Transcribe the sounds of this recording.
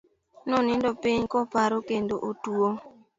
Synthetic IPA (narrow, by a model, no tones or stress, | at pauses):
nɔnɪndɔpɪɲkɔpaɾokendoʔotuo